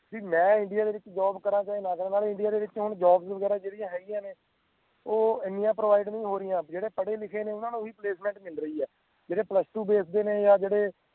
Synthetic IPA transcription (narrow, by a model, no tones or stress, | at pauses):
d͡ʒiːmɛ̃ːɪɳɖɪjaːd̪eːʋɪt͡ʃd͡ʒaːbkəɾãːt͡ʃaːiːnãːkəɾːnaːlɪ̃ɳɖɪjaːd̪eːʋɪt͡ʃɦʊɳd͡ʒaːbzʋəɡɛːɾaːd͡ʒeːɽɪjãːɦɛːɡɪjãːneː | oːɪnːijãːpɾoːʋaːɪɖnəĩːɦoːɾɪjãːd͡ʒeːɽeːpəɽeːlɪkʰeːneːʊnãːnũːʋiːpleːsmɛ̃ːɳʈmɪlɾəiːɛː | d͡ʒeːɽeːpləsʈuːbeːsd̪eːneːjaːd͡ʒeːɽeː